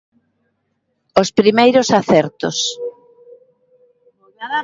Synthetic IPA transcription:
ospɾimejɾʊsaθɛɾt̪os

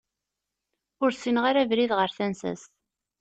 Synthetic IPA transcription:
ʊɾsinʁaɾævɾiðʁəɾθænsæ̰s

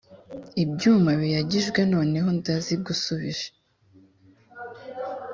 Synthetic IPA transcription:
ibɟuːmaβijaɟiʒɡwe̞no̞ːne̞ɦo̞ndazibɡusuβiʒe̥

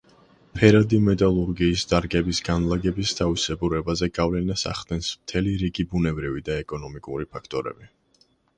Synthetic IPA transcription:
pʰɛɾad̪imɛt̪ʼalˠuɾɡiːsd̪aɾɡɛbisɡanlˠaɡɛbist̪ʰavisɛbuɾɛbazɛɡavlɛnasa̰χd̪ɛnsmt̪ʰɛliɾiɡibunɛbɾivid̪aɛkʼɔnɔmikʼṵɾipʰakʰt̪ʼɔɾɛ̰bi

